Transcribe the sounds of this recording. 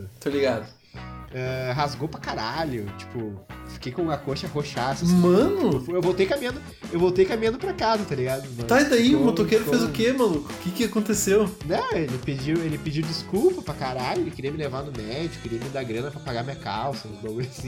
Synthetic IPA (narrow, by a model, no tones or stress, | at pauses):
t̪oliɡad̪ʊ | ɛɦazɡowpɾɐkaɾaʎʊt͡ʃi̥pʊfi̥kejkõɐkoʃɐhoʃasɐmɐ̃nʊfewvowt̪ejkamĩɐ̃d̪ʊ | ewvowt̪ejkamĩɐ̃nd̪ʊpɾɐkazɐt̪aliɡad̪ʊmɐ̃t̪ajzd̪aiʊmot̪okejɾʊezʊkemɐ̃lukʊkɪkɪakõnt̪esewnɛ̃elɪped͡ʒiwelɪped͡ʒiwd͡ʒiskuwpɐpɾɐkaɾaʎʊelɪkɪɾiɐmɪlevanʊmɛd͡ʒɪkʊkɪɾiɐmɪ̃d̪aɡɾɐ̃nɐpɾɐpaɡaɾmĩɲɐkawsɐʊzb̪oɡsĩ